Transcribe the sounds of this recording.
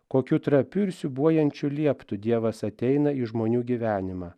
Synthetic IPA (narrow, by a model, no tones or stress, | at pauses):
koːkʲuːt̪ɾɐpʲʊɾʲsʲʊbuɔjɛnʲt͡ʃʲʊlʲiɛpt̪ʊd̪ʲiɛʋɐsɐt̪ʲɛɪnɐiʒmoːnʲuːɡʲiʋʲæːnʲɪmɑː